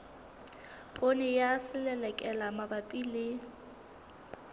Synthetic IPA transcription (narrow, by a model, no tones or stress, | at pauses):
pʼonɛjasɪlɛlɛkʼɛlamabapʼile